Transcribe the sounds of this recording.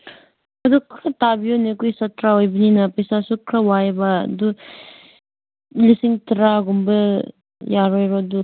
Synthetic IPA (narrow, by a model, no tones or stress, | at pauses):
ɐdukʰɾɐtabionekujsɐtɾaojbininɐpɐjsasukʰɾɐwajbɐ̰du | lisiŋtɾaɡumbɐ | jaɾojɾodu